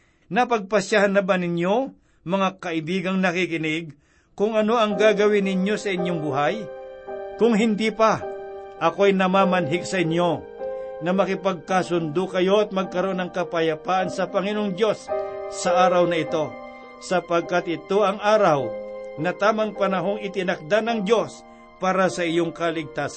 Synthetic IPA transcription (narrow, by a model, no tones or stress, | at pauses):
nɐpɐɡ̚pɐsjahanːɐbanɪɲjo̞ | mɐŋakɐʔɪbiːɡɐŋnɐkikɪnɪɡ̚ | kʊŋɐno̞ɐŋɡaːɡɐwɪnɪɲjo̞sɐʔɪɲjoŋbʊɦaj | kʊŋɦɪnd̪ipɐʔɐko̞ɐjnɐmaːmɐnɦɪɡsɐʔɪɲjo̞ | nɐmɐkɪpɐɡ̚kasʊnd̪ʊkɐjo̞ʔɐt̪̚mɐɡ̚kɐɾoonɐŋkɐpɐjɐpaːʔɐnsɐpɐŋɪnoŋd̪jo̞sːɐʔaːɾɐwnɐɪt̪o̞ | sɐpɐɡ̚kat̪̚ʔɪt̪o̞ɐŋʔaːɾɐwnɐt̪aːmɐŋpɐnɐɦo̞ŋɪt̪ɪnɐk̚d̪anɐŋd̪jo̞s | paːɾɐsɐʔɪjo̞ŋkɐlɪɡ̚t̪aːs